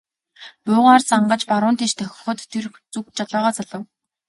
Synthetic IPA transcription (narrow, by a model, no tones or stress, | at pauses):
pʊːʁaːrt͡saɴɢə̆t͡ɕpaɾʊːnt̪ʰeʃt̪ʰœxʲɪ̥̆χɞ̆t̪ʰːer | t͡sukt͡ɕaɮɔːʁɔːt͡saɮə̆w